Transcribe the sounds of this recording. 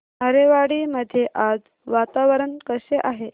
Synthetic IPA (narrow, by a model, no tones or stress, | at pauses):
ɦəɾeʋaɽiːməd̪ʱːjeʔad͡z | ʋat̪aʋəɾəɳkəɕeʔaɦe